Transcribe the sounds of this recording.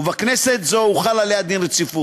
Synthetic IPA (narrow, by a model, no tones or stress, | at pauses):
uvakneset̪zo̞uχalalead̪inʁet͡sifu